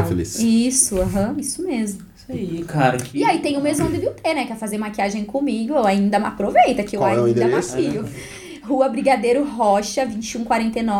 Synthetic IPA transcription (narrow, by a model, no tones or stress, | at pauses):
felḭsisʊɐ̃ɦɐ̃isʊmezmʊisɐiikaɾɐiait̪ẽj̃ʊmezmɐ̃d̪ɪbiwt̪ʰenɛkɛfazeɾmakiaʒẽj̃kõmiɡʊewaĩnd̪ɐmɪa̰pɾovejt̪ɐkɪewaĩd̪ɐmakiʎʊ | huɐbɾiɡad̪ejɾʊɦɔʃɐvĩt͡ʃɪũkwaɾẽnt̪ejnɔ